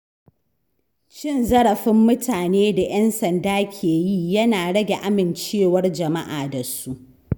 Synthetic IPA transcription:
t͡ʃɪ˦˨nzɐ˦ɽɐ˨ɸɪ˦mːʊ˦tʰaː˨neː˦da˨jʔɐ˦nsɐ˨ndaː˦kʲʰeː˨ji˦jɐ˦naː˨ɽɐ˦ɡʲe˨ʔa˦mɪ˨nt͡ʃeː˦˨wɐ˦rd͡ʒɐ˨ma̰˦ʔaː˨da˨su˦ʔ

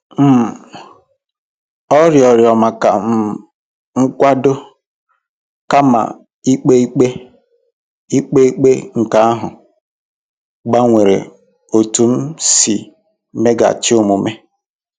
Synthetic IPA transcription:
m̩˦˨ | ɔ˦ɾjɔ˨ɾjɔ˨ma˨ka˨m̩˦ | ŋ̩˦kʷa˦do˦ | ka˦ma̰˨ | i˦k͡pe˦k͡pe˦ | i˦k͡pe˦i˦k͡pe˦ŋ̩˨ka˦a˦ɦʊ˨ | ɡ͡ba˦ŋʷe˨ɾḛ˨ | o˨tu˨m̩˦si˨ | me˦ɡa̰˨t͡ʃɪ˦ʊ˦mʊ˨me˦

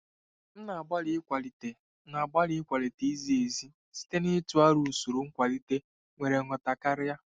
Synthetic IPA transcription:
n̩˦na˨ba˦li˦kʷa˨li˨te˨ | na˨ɡ͡ba˦ɾi˦kʷa˨le˨te˨i˦zi˦e˨zi˦ | si̥˦te˦ni˦tu˨˦a˦ɾu˨su˨ɾu˨ŋ̩˦kʷa˨li˦te˦ | ŋʷe˨ɾe˨ŋɔ˨ta˨ka˦ɾɪ˦ja˦

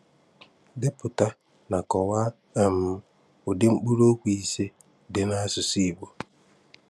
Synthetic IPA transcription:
dɪ˦pʊ˨ta˦ | na˨kɔ˨wa˦ | a˨m̩˨˦ | ʊ˨dɪ˦ŋ͡m̩˦k͡pu˦ɾo˦kʷi˨i˦se˦ | dɪ˨na˦sʊ˨si˦˨ɡ͡bo˨

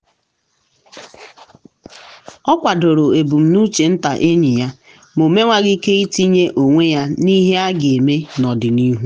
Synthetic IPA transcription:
ɔ˦kʷa˨do˨ɾo˨e˨bu˨m̩˨nu˦t͡ʃe˨n̩˦ta˨ʔe˦ɲi˨ja˦ | mo˨me˦ŋʷa˦ɣɪ˦ke˦i˦ti˦ɲe˦ʔo˨ŋʷe˦ja˦ni˦ɦe˦a˦ɡɪ˨e˨me˦nɔ˨dɪ˨ni˦ɦu˦

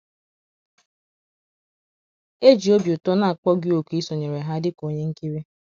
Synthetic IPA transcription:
e˦d͡ʒi˨o˦bjʊ˨tɔ˦na˨a˨k͡pɔ˦ɡɪ˦o˨ki˦so˨ɲe˨ɾe˨ɦa˦dɪ˦ko˨ɲe˦ŋ̩˦ki˦ɾi˦

